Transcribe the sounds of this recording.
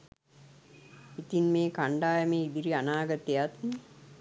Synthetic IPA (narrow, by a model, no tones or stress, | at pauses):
it̪inmeːkaɳɖaːjəmeːid̪iɾianaːɡət̪ejat̪ni